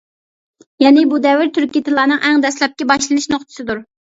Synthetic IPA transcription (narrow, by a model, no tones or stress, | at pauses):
jɛnɪbud̪ɛwɪɾt̪ʰyɾkʲit̪ʰɨlˠɑːnɨŋʔæŋd̪ɛslˠɛp̚kʲɛbɑʃlˠɨnɨʃnoχt̪ʰɨ̥sɨd̪uɾ